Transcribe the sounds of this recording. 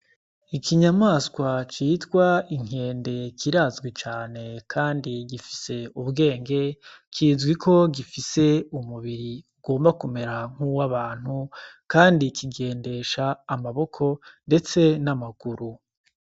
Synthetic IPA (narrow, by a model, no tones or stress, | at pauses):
ikʰiɲamaːskwat͡ʃitɡwaiŋ̥e̞ːnde̞kʰiɾaːzɡwit͡ʃaːne̞kʰaːndiɡifi̥se̞uβɡe̞ːŋɡe̞kʰiːzɡwikʰo̞ɡifise̞umuβiɾi | ɡ̥o̞ːmbakume̞ɾaŋ̥uwaβaːn̥hukaːndikʰiɡe̞ːnde̞ʃaːmaβo̞kʰo̞nde̞t͡se̞namaɡ̥uɾu